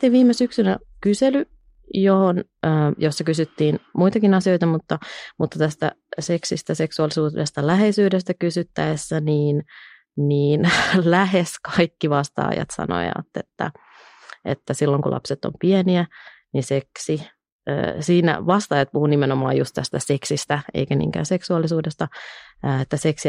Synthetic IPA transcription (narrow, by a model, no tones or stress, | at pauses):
t̪ːeʋiːmesyksynæ | kysely | johonː | josːɑkysyt̪ːiːnmuit̪ɑkinɑsiojt̪ɑmut̪ːɑmut̪ːɑt̪æst̪æ̰seksist̪æseksuɑlisuːdest̪ɑlæɦeisyːdest̪ækysyt̪ːæesːæniːn | niːnlæheskɑikːiʋɑst̪ɑ̰ːjɑ̰t̪sɑ̰no̰jɑ̰t̪ːet̪ːæ̰ | ḛt̪ːæsilːoŋkulʔɑ̰pset̪ːo̰mpieniæ | niseksi | ø̰ːsiːnæ̰ʋɑst̪ɑːjɑt̪̚puhunimenomɑ̰ːjust̪æst̪æseksist̪æḛikænḭːŋkæ̰ːseksuɑlːisuːdest̪ɑ | et̪ːæseksi